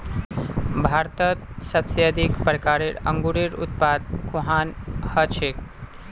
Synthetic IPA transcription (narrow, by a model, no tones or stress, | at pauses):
bʱaɾt̪ət̪̚səbsjəd̪ikpɾəkaɾiɾə̰ŋɡuɽiɾṵt̪̚pad̪̚kuɦanhət͡ʃʰek